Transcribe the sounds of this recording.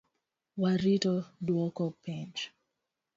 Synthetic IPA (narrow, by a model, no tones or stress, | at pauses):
waɾitɔduɔkɔpɛnt͡ʃ